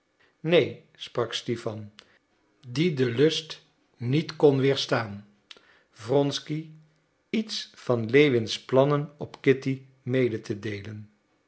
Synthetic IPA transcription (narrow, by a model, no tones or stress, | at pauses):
nej | sprɑkstifɑn | didəlɵst | nitkɔnʋɪːɹstaːn | vrɔnski | itsfɑnlejʋɪnsplɑnənɔpkɪti | mejdətʰədejlən